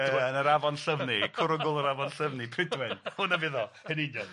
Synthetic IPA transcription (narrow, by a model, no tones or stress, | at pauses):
ɛnəɾavɔnɬəvnikʰʊɾʊɡʊlˠəɾavɔnɬəvnipʰrɪdwɪnhʊnəvɪðɔ | hɛnɪdjɔ